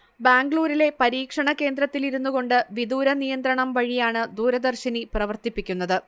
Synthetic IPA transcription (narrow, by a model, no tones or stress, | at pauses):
baːŋɡɭuːɾile̞pɐɾiːkʂɐɳɐke̞ːnd̪ɾɐt̪ːiliɾunːuɣo̞ɳɖɨʋid̪uːɾɐnijɐnd̪ɾɐɳɐmʋɐɻijaːɳɨd̪uːɾɐd̪ɐrɕiniprɐʋɐrt̪ipːikʲːunːɐðɨ